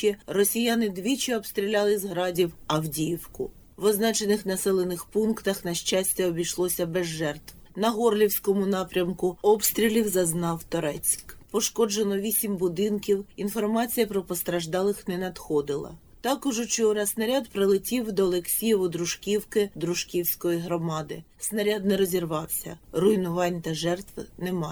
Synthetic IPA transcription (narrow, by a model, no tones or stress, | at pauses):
ɛrɔsʲijanɪd̪ʋʲit͡ʃɪɔbst̪ɾʲilʲɑlˠɪzɦɾɑdʲiwɐwdʲijiwkʊ | ʋɔznɑt͡ʃenɪxnɐsɛlˠenɪxpunkt̪ɐxnɐʃt͡ʃasʲtʲɐɔbʲijʃlˠɔsʲɐbɛzːɛrt̪w | nɐɦɔrlʲiwsʲkɔmʊnɑpɾʲɐmkʊɔbst̪ɾʲilʲiwzɐznɑwt̪ɔɾɛt͡sʲkpɔʃkɔd͡ʒenɔʋʲisʲimbʊd̪ɪnkʲiwinfɔrmɑt͡sʲijɐpɾɔpɔst̪ɾɐʒd̪ɑlˠɪxnɛnɐd̪xɔd̪ɪlˠɐ̰ | t̪ɑkʊʒʊt͡ʃɔɔɾɑsnɐɾʲad̪pɾɪlˠɪtʲiwd̪ɔːlˠeksʲijɔʋʊd̪ɾʊʃkʲiwkɪd̪ɾʊʃkʲiwsʲkɔjiɦɾɔmɑd̪ɪ | snɐɾʲad̪nɛɾɔzʲirʋɑwsʲɐ̰rʊjnʊʋɑnʲt̪ɐʒɛrt̪ʋnɛmɑ